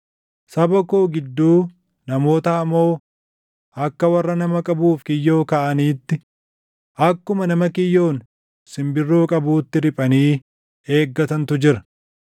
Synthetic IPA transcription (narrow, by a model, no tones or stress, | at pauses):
sɐbɐkoːɡɪd̪ːuː | nɐmo̞ːt̪ɐːmːo̞ː | ɐkːɐwɐrːɐnɐmɐkʼɐbuːfkɪjːo̞ːkɐʔɐniːt̪ːɪ | ʔɐkːʊmɐnɐmɐkɪjːo̞ːn | sɪmbɪrːo̞ːkʼɐbuːt̪ːɪɾɪpʼɐniː | e̞ːɡːɐt̪ɐnt̪ʊd͡ʒɪɾɐ̥